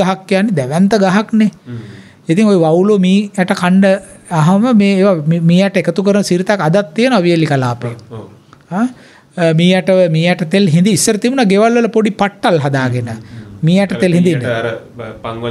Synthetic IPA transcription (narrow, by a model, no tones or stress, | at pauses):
aɦakːijanːed̪ɛʋɛnt̪əɡaɦakne | it̪iŋojuʋawlomiːɛʈəkʰaɳɖəaɦɐməmeːeːʋammiːjɛʈəekət̪ukəɾənəsiɾit̪akad̪at̪ːijənoaʋijəlikalaːpe | a | miːjɛʈəʋəmiːjɛʈət̪elɦind̪iːsːəɾət̪ibunaɡeʋalʋələpoɖipaʈːalɦad̪aːɡenəmiːjɛʈəelɦĩnd̪inːe